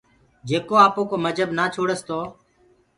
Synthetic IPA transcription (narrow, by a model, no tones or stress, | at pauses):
d͡ʒeːkoːaːpoːkoːməd͡ʒʱəbnaːt͡ʃʰoːɽəst̪ʰoː